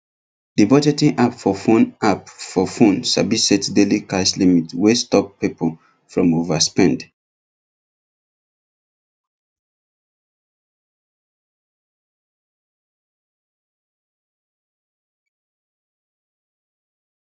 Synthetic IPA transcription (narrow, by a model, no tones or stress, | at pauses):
dibɔd͡ʒɛtĩŋʔapfɔfõnapfɔfõnsa̰bisɛtdelikaɪslimitwestɔppːepʰɔ | fɹɔ̃movaspɛ̃nd